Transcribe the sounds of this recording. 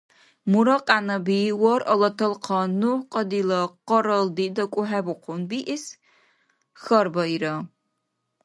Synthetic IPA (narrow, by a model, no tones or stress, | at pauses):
muɾɐqʼaːnɐbiːwɔrʔɐlɐtʰɐlqʰɐnuqʼɐdiːlɐqɐɾɐldiːdɐkʷʼʊħabʊqʷʰʊnbiːʔɪs | xɐrbɐiɾɐ